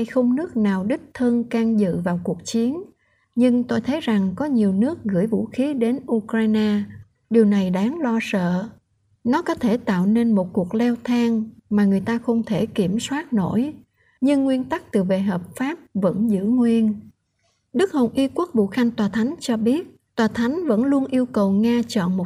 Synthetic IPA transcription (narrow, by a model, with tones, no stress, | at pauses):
jxə˧wŋ͡mnɨ˦˥ək̚naː˨˩wɗï˦˥k̚t̪ʰə˧nkaː˧ŋzɨ̰˧˨vaː˨˩wku˨˩ək̚t͡ɕi˨˦ən | ɲɨ˧ŋt̪o˧jt̪ʰə˨˦jza˨˩ŋkɔ˨˦ɲi˨˩əwnɨ˦˥ək̚ɣɨ̰˧˩əjvṵ˧˥xi˨˦ɗe˨˦nʔu˧kɾaː˧jnaː˧ | ɗi˨˩əwna˨˩jɗaː˨˦ŋlɔ˧sə̰ː˧˨ | nɔ˨˦kɔ˨˦t̪ʰe˧˩t̪a̰ː˧˨wne˧nmo˨˩t̚ku˨˩ək̚lɛ˧wt̪ʰaː˧ŋmaː˨˩ŋɨ˨˩əjt̪aː˧xə˧wŋ͡mt̪ʰe˧˩ki˧˩əmswaː˦˥t̚no̰˧˩j | ɲɨ˧ŋːwi˧ənt̪a˦˥k̚t̪ɨ˨˩ve˨˩ɦəː˨˩p̚faː˦˥p̚və̰˧˥nzɨ̰˧˥ŋwi˧ən | ɗɨ˦˥k̚ho˨˩nʔi˧ku˦˥ək̚vṵ˧˨xa˧jŋ̟t̪waː˨˩t̪ʰa˨˦jŋ̟t͡ɕɔ˧ɓi˦˥ət̚ | t̪waː˨˩t̪ʰa˨˦jŋ̟və̰˧˥nlu˧ənʔi˧əwkə˨˩wŋaː˧t͡ɕɔ̰˧˨nmo˨˩